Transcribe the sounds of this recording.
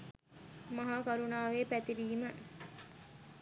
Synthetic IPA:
mɐɦaːkɐɾunaːʋeːpæt̪iɾiːmə

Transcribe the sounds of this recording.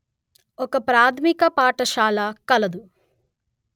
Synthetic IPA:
ɔkɐpɾaːt̪ʰmikɐpaːʈɐʃaːlaːkɐlɐd̪u

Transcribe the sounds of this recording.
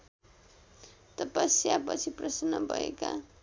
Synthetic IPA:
t̪ʌpʌsjapʌt͡sʰiprʌsnʌbʱʌḛka̰

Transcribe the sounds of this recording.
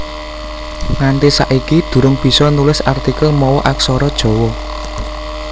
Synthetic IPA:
ŋanʈ̪esaʔikid̪̥ṳɾʊŋb̥i̤sɔnulɪsart̪ikəlmɔwɔʔaksɔɾɔd̥ʒ̥o̤wɔ

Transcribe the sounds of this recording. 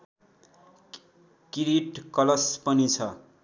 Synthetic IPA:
kiɾiʈkʌlʌspʌnit͡sʰʌ

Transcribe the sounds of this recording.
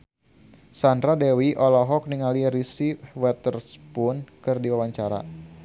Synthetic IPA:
sandɾadɛwiʔɔlɔɦɔk̚niŋaliɾisiwɛt̪ərspʊnkɨrdiwawaɲt͡ʃaɾa̰

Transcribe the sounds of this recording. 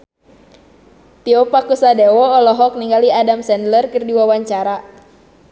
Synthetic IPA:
t̪iɔpakusadɛwɔːlɔɦɔk̚niŋɡaliadamsɛndlərkɨrdiwawaɲt͡ʃaɾa

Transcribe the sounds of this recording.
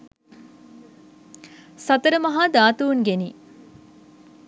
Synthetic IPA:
sɐt̪əɾəmɐɦad̪aːt̪uunɡeni

